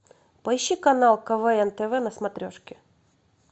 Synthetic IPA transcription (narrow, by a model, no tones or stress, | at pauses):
pɐɪɕːikɐnalˠkɐvɛɛnt̪əvɛnəsmɐt̪ɾʲoʂkʲɪ